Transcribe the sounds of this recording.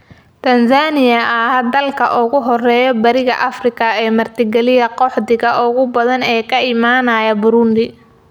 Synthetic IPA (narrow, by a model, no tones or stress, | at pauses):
t̪ʰɐnsaːnɪjɐɐɦɐd̪ɐlkʰɐʔʊɣʊɦɔrɛːjɔbɐɾɪɣɐ̰ʔɐfrɪkʰɐɛːmɐrt̪ʰɪɡɛlɪjɐqɔħd̪ɪɣɐʔʊɣʊbɐðɐnɛːkʰɐɪmaːnɐjɐbʊɾʊnd̪ɪ